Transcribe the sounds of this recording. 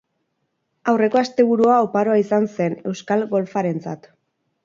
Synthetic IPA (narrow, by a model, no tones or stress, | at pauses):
awre̞ko̞ast̪e̞β̞uɾuaopaɾo̞aisanse̞ne̞wskalɡo̞lfaɾe̞nt͡sa̰t̪